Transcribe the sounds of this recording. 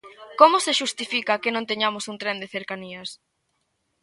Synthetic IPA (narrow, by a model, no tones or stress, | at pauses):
komʊseʃust̪ifikakɪnõnt̪eɲamosunt̪ɾend̪eθeɾkaniɐs